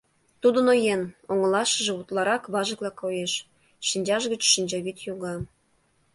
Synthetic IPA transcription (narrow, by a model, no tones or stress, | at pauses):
t̪ud̪ə̆nojenoŋə̆lɑʃə̆ʒĕut̪lˠɑɾɑkβɑʒɤ̆klɑkːojeʃ | ʃinʲd͡ʑɑʃɡə̆t͡ɕʃinʲd͡ʑɑβit̪juɣɑ